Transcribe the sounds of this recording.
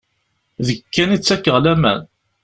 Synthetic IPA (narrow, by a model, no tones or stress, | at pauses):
ðəkːænit͡sːækːəʁlæmæn